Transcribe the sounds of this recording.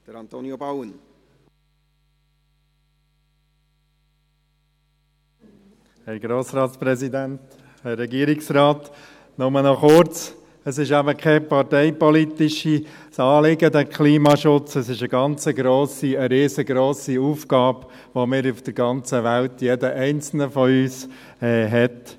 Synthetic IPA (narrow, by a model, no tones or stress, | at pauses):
d̥əɾɑnt̪oːniobawən | hɛɾɡɾoːsɾɑːt̪spɾɛsid̪ænt̪ | hɛrːɛɡiːəɾɪksɾɑːt̪ | nʊmənɔχʊɾt͡s | əsɪʃæbəkʰɛpɑɾtɛɪpɔlit̪ɪʃisɑːlɪɡəd̪əkʰliːmɑʃʊt͡səsɪʃəɡɑnt͡səɡɾoːsiəɾeːzəɡɾoːsiuːfɡɑːb | ʋomɪːɾufd̥əɾɡɑnt͡səʋælt̪jɛdəʔɛɪnt͡sl̩nəfɔyːs | ɛɦɛt̪